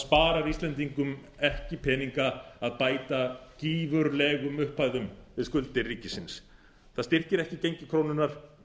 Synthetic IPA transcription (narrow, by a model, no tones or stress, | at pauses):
spaːɾaɾist̪lɛnt̪̬iŋkʏm | ɛhcɪpʰɛːniŋkaaðpaːjt̪aciːvʏɾlɛːɣʏmʏhpːaːjðʏmvɪðskʏlt̪ɪrːiːcɪsɪns | θaðst̪ɪr̥cɪɾɛhcɪcejɲcɪkʰɾoːwnʏnːaɾ̥